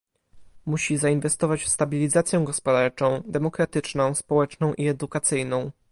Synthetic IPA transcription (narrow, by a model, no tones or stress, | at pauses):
muɕizainvɛst̪ɔvat͡ɕfst̪abʲilʲizat̪sʲjɛɡɔspɔd̪aɾt͡ʂɔ̃w̃d̪ɛmɔkɾat̪ɘt͡ʂnɔ̃w̃spɔwɛt͡ʂnɔ̃w̃ʔiɛd̪ukat̪sɘjnɔ̃w̃